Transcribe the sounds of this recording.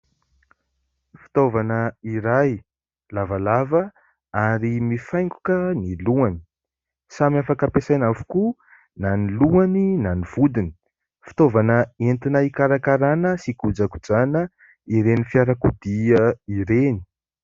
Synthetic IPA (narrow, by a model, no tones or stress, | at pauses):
fi̥t̪ovanəiɾaj | lavalavə | aɾimifajŋku̥kəniluani̥ | samiafakapesajnafu̥ku | naniluaninaniv̥ud̪ini̥ | fi̥t̪ovanəent̪inaikaɾakaɾanəsikud͡zaku̥d͡zanə | iɾenifjaɾakud̪iəiɾeni̥